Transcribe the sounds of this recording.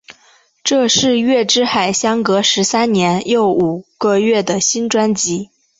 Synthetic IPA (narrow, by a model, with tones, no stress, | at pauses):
ʈ͡ʂɤ˥˧ʂɻ̩˥˧ɥɛ˥˩ʈ͡ʂɻ̩˥xa˨˩ɪɕjɑ˥ŋkɤ˧˥ʂɻ̩˧˥sa˥nnjɛ˧˥njo˥˩ʊu˨˩ɡ̥ə˧ɥɛ˥˩d̪ə˩ɕi˥nʈ͡ʂwa˥nt͡ɕi˧˥